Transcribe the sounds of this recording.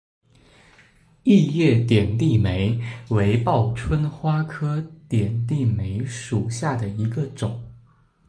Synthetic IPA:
i˥˧jɛ˥˩t̪jɛ˨˩nt̪i˥˩me˧˥ɪwe˧˥ɪpɑ˥˩ʊʈ͡ʂʰwə˥nxwa˥kʰɤ˥t̪jɛ˨˩nt̪i˥˩me˧˥ɪʂu˨˩ɕja˥˩d̪ə˩i˧˥ɡə˧ʈ͡ʂʊ˨˩˦ŋ

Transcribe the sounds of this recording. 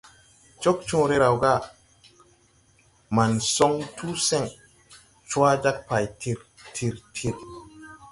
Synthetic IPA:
t͡ʃo˦k̚t͡ʃũː˦ɾe˦ɾa˨wɡa˦˨ | ma˨nso˦ŋtʰu˦sɛ˦˨ŋ | t͡ʃu˦a˦d͡ʒa˦k̚pa˨jtʰi˨ɾtʰi˨ɾtʰi˨ɾ

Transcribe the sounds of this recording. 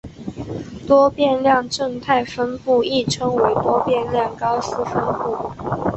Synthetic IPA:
t̪wɔ˥pjɛ˥˧nljɑ˥˧ŋʈ͡ʂə˥˧ŋt̪ʰa˥˩ɪfə˥npu˥˧i˥˩ʈ͡ʂʰɤ˥ŋwe˧˥ɪt̪wɔ˥pjɛ˥˧nljɑ˥˩ŋkɑ˥ʊsɹ̩˥fə˥npu˥˩

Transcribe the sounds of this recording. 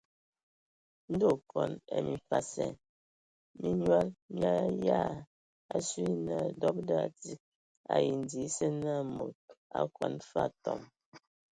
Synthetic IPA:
n̩˦do˦˨kɔ˨nɛ̰˨mi˨fa˦˨sɛ̰˨n | mi˦ɲwa˦lmja˦ja˦˨ | a˨sɥi˦na˨dɔ˦p̚da˦˨ti˦k̚ | a̰˨ji˨n˨di˨˦sɛ˦na˦˨mo˨t̚a̰˦kwɔ˨nfa˦˨tɔ˨m

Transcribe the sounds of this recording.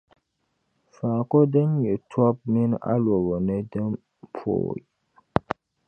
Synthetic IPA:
fa˨kɔ˦də˦njə˨tʰɔ˦p̚mi˦na̰˦lwɔ˨wɔ˨nɛ˦də˦m | pʰo̰˨j

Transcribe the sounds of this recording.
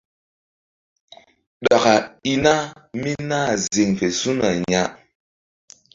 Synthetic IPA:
ɗa˨ka˨i˨na˦mi˦naː˦˨zi˨ŋfɛ˨su˦na˨ɲa˦ʔ

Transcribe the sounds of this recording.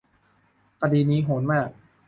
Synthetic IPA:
ka˧diː˧niː˦˥ɦoː˩˦nmaː˥˩k̚

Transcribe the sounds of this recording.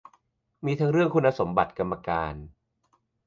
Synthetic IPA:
miː˧t̪ʰa˦˥ŋɾɯ˥˩əŋkʰu˧nːa˧so˩˦mba̰˨˩t̪̚ka˧mːa˧kaː˧n

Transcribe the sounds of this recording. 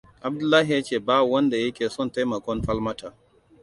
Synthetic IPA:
ʔa˨b̚dʊ˦lːaː˦ɦi˨ja˦t͡ʃeː˦˨baː˦˨wɐ˦nda˨jɐ˦kʲeː˨sɔ˦˨nta˦jmɐ˨kʷɔ˦nɸɐ˦lmɐ˦taː˨

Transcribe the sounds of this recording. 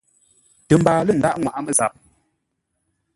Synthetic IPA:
tə˨m̩˨baː˨lə˦˨n̩˨da˦ʔŋwa˨ʔa˦mə˦˨za˨p̚

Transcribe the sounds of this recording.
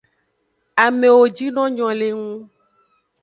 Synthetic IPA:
a˨mẽ˨wo˨d͡ʒi˦nɔ̃˦ɲɔ̃˨le˨ŋũ˦

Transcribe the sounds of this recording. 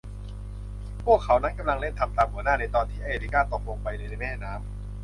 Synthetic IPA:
pʰu˥˩əkʰːa˩˦wna˦˥nka˧mla˧ŋle˥˩nt̪ʰa˧mt̪aː˧mhu˧˦ənaː˥˩na˧jt̪ɔː˧nt̪ʰiː˥˩ʔa˧˨eː˧liː˦˩kaː˥˩t̪o˨˩k̚lo˧˩ŋpa˧jna˧jna˧jmɛː˥˩naː˦˥m

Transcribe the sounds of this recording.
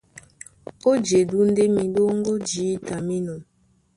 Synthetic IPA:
o˦d͡ʒe˨du˦n̩˦de˦mi˨do˦ŋ̩˦ɡo˦d͡ʒiː˨˦ta˨mi˦no˨n

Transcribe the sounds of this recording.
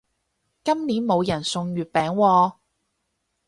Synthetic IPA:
kɐ˥mniː˨˥nmo˨˧wjɐ˨˩nsʊ˧ŋjyː˨˧t̚pɛː˨˥ŋwɔː˧

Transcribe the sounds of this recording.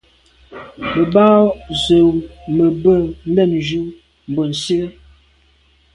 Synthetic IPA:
mə˨ba˦zə˨wmə˨bə˦˨n̩˦lɛ˦˨md͡ʒu˦ | m̩˨bo˨n̩˨si˦ə˦

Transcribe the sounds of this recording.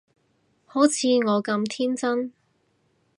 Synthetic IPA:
ho˨˥t͡sʰiː˨˧ŋɔː˨˧kɐ˧mt̪ʰiː˥nt͡sɐ˥n

